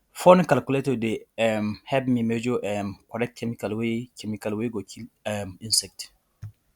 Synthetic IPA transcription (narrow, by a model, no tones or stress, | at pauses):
fonkalkuletɔdeɛmhɛbmimɛd͡ʒɔʔɛmkɔɾɛk̚tkʰɛmikalwekʰɛmikalweɡɔkʰiɛmĩnsɛk̚t